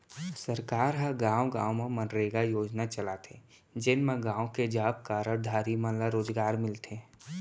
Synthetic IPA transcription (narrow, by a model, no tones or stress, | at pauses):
səɾkaːɾɦəɡãːwõɡãːõmẽmənɾeɡajoːd͡ʒnat͡ʃəlaːt̪ʰe | d͡ʒɪnmẽɡãːõked͡ʒaːb̚kaːɾəɾd̪ʱaːɾimə̃nlaɾoːzɡaːɾmɪlt̪ʰeː